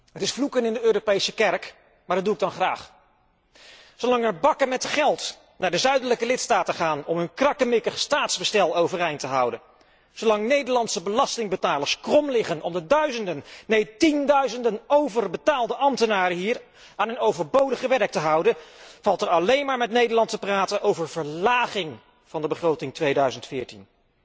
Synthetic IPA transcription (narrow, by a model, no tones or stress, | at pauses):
ɦətɪsflukənɪndəøːropejsəkɛrk | maɹdɑtduɪɡ̚dɑnχra̰ːχ | sowlɑŋɛɹbɑkəmɛtχɛlˠt | naːɹdəzœɥdələkəlɪtstaːtəχaːnɔmɦɵnkrɑkəmɪkəχstaːtzbəstɛlˠowvərejntəɦʌwdən | sowlɑŋnejdəɹlɑntsəbəlɑstɪŋbətaːləɹskrɔmlɪχənɔmdədœɥzəndənnejtindœɥzəndənowvərbətaːlˠdəʔɑmtənaːɾəɦiːɹ | aːnənowvəɹbowdəχəʋɛɹk̚təɦʌwdəv̥ɑlˠtəɹɑlejnmaːɹmɛtnejdəɹlɑntəpraːtənʔowvəɹv̥əɹlaːχɪŋ | v̥ɑndəbəχrowtɪŋtʋejdœɥzəntfɪːɹtḭn